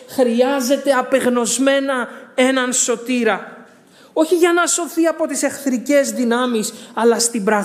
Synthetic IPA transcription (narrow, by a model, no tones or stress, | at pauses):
xɾiɐze̞t̪e̞ɐpe̞ɣno̞zme̞nɐe̞nɐnso̞t̪iɾɐ | o̞çiʝɐnɐso̞θiɐpo̞t̪ise̞xθɾice̞zðinɐmisɐlɐst̪ibɾɐɣ